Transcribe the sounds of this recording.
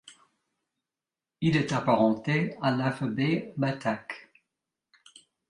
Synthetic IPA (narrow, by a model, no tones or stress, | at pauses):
ilɛt̪apaʁɑ̃t̪ealafabebat̪ak